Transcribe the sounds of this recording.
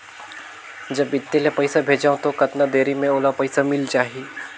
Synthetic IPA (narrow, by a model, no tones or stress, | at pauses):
d͡ʒɐbɪt̪ːelepɐɪsabʱeːd͡ʒaːõt̪okɐt̪nad̪eːɾimẽoːlapɐɪsamɪlt͡ʃaːɦie